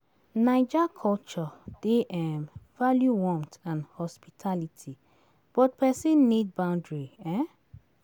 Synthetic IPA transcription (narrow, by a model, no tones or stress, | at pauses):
naɪd͡ʒakʰɔlt͡ʃɔd̥eʔɛmvaljuwɔ̃mtãnhɔspitʰalitʰi | b̥ɔt̚pʰɛsĩnːid̚bãʊ̃ndɹiɛ̃